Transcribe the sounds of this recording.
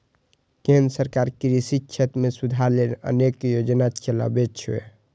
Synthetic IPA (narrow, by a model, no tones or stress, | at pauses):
kẽnd̪ɾsəɾkaɾkɾisit͡ʃʰət̪mesud̪ʱalenə̰nekjod͡ʒnat͡ʃela̰bet͡ʃʰḛ